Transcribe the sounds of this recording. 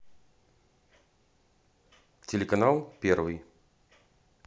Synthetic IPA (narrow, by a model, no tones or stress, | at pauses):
t͡sʲɛlʲɛkɐnalˠpʲɛrvɨj